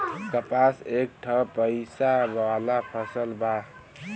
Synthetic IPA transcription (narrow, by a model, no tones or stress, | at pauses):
kəpasek̚ʈʰəpəɪsabalapʰəsəlba